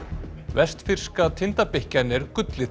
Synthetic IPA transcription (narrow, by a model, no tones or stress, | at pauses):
vɛst̪fɪr̥skat̪ʰɪnt̪apehcanɛɾkʏt̪lɪ